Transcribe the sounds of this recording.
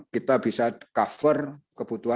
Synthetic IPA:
kit̪abisakafərkəb̥ut̪ua

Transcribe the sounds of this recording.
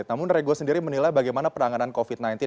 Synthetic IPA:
t̪̚namʊnreɡosəndiɾimənilajbaɡajmanapəɾaŋanankofit̪̚najnt̪i

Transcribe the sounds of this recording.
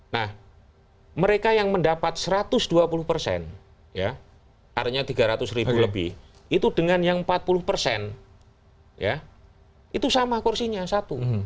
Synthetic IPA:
nah | məɾekajaŋməndapat̪̚səɾat̪ʊsduapulʊhpərsɛ̰n | ja̰ | ariɲat̪iɡaɾat̪ʊsɾibuləbɪ̰h | it̪udəŋanjaŋmpat̪̚pulʊhpərsɛn | ja̰ | ʔit̪usamakursiɲasat̪u

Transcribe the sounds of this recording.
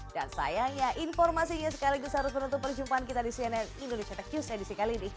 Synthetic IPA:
d̥a̰nsa̰jaŋɲaʔinfɔrmasiɲas̬əkaliɡusɦaɾʊsmənũnt̪ʊt̪̚pərd͡ʒumpaankit̪adisiɛnɛnindonesiat̪akjusedisikalinɪ

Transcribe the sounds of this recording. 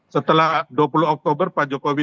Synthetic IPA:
sət̪əlahduapuluɔk̚t̪obərpad͡ʒokowi

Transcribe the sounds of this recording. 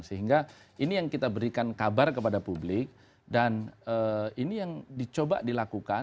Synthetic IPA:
ŋsəɦiŋɡainijaŋkit̪abəɾikankabarkəpadapublɪk̚ | danəinijaŋdit͡ʃoba̰dilakuka

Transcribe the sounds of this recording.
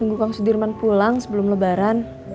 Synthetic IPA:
əŋɡukaŋsudirmanpulaŋsəbəlʊmləbaɾan

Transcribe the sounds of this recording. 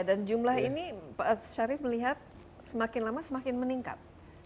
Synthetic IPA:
dand͡ʒumlaɦinipaaʃaɾɪfməliɦat̪̚ | səmakɪnlamasəmakɪnməniŋka̰t̪̚

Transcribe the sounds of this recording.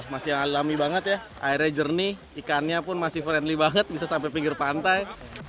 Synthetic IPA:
masɪjaŋallamibaŋət̪ja | ʔaiɾjad͡ʒərni | ikanɲapʊnmasɪhfɾɛnlibaŋət̪̚bisasampajpiŋɡɪrpant̪aj

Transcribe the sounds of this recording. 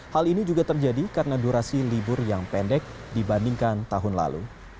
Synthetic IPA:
halinid͡ʒuɡat̪ərd͡ʒadikaɾənaduɾasilibʊrjaŋpɛndɛk̚dibandiŋkant̪aɦʊnla̰lṵ

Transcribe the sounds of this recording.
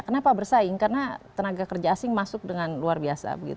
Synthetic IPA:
kənapabərsaɪŋkarənat̪ənaɡakərd͡ʒaːsɪŋmasʊk̚dəŋanluarbiasa̰bəɡḭt̪

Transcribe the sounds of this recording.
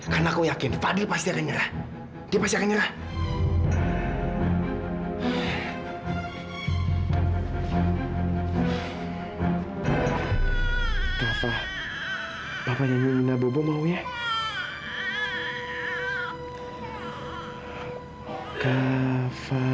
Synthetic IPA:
karnakojakɪnfadipast̪iakaɲəɾah | d̥iapast̪iakaɲəɾah | kafa | papaɲamiminabobɔmawja | kafa

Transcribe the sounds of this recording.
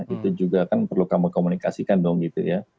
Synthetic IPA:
it̪ud͡ʒuɡakanpərlukaməkomunikasikandɔŋɡit̪ṵja

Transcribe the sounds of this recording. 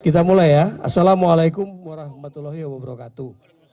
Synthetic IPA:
kit̪̬amulajaa̰salamualajkʊmwaɾahmat̪ulɔɦiwababəɾakat̪u

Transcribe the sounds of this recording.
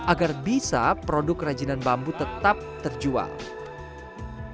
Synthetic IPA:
ʔaɡarbisa̰pɾodʊkrad͡ʒinanbambut̪ət̪ap̚t̪ərd͡ʒua̰l

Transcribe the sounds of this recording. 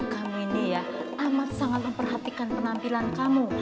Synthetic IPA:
kamuinijaʔamat̪̚saŋat̪̚məmpərɦat̪ikanpənampilankamu

